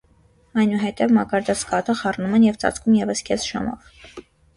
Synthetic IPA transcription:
ɑjnuɦɛt̪ɛvmɑkɑɾd̪ɑt͡skɑt̪ʰəχɑrnumɛnjɛvt͡sɑ̰t͡skʰumjɛvəskʰɛsʒ̥ɑ̰mɔ̰v

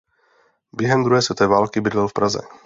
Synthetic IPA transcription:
bjɛɦɛmd̪ɾuɦɛːsvɛt̪oɛːvaːlkɪbɪd̪lɛwfpɾazɛ̰

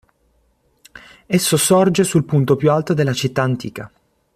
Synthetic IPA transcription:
esːosɔrd͡ʒesulpunt̪opjualt̪od̪elːat͡ʃit̪ːaːnt̪ḭːka

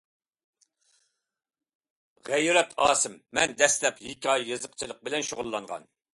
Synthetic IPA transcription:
ʁæjɾɛt̪ʰɑːsɪmːɛnd̪ɛslɛphikʲʰɑjjɨzəqt͡ʃʰilˠəq̚bɪlɛnʃoʁʊlˠːɑŋʁɑ̰n

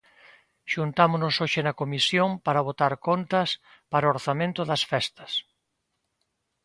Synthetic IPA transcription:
ʃunt̪amonosoʃɪnɐkomisjompaɾɐβ̞ot̪aɾkont̪ɐs | paɾooɾθamẽnt̪ʊðɐsfɛst̪ɐs

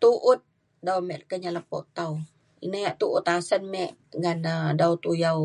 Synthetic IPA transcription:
t̪uʔʊt̪̚ | dawmɛʔkəɲaləpɔ̰ʔt̪aw | inajaʔt̪uʔʊt̪asənmɛʔŋanədawt̪ujaw

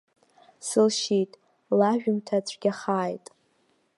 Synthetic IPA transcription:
sɨlʃitʼ | laʒᶣʊmtʰat͡ɕʷʰʼɡ̥ʲaχaːjtʼ

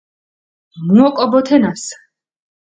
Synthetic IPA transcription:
muɔkʼɔbɔt̪ʰɛnas

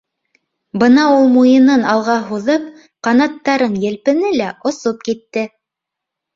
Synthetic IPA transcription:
bɤnɑulˠmujɤ̆nɤnɑlˠʁɑɦuðɤp̚ | qɑnɑt̪ːɑɾɤnjɘ̆lpɘ̆nɘlæʔŏsop̚kit̪ːɘ

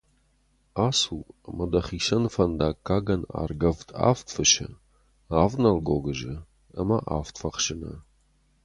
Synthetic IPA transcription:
aːsuːɐmɐdɐχiːʃɐnfɐnd̪aːkʰːaːɡɐna̰ːrɡɐvtʰa̰ːftʰfɨʃɐ̰ | aːvnɐlɡoːɡɨʒɐ | ɐmɐʔa̰ːftʰfɐχʃɪnɐ̰

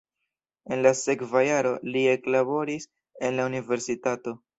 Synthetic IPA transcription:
e̞nlase̞kvajaɾo̞lie̞klabo̞ɾis | e̞nlaunive̞ɾsitato̞

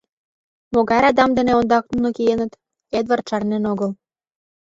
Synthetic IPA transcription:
moɣɑɾɑd̪ɑmd̪ə̆neond̪ɑk̚nunɤ̆kijenə̆t̪ | et̪βərt̪ʃɑrnenoɣəl

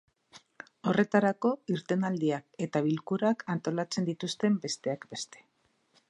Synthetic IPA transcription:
o̞re̞t̪aɾako̞iɾt̪e̞nald̪iake̞t̪aβilkuɾakant̪o̞lat͡se̞nd̪it̪ust̪e̞mbe̞st̪e̞akbe̞st̪e̥

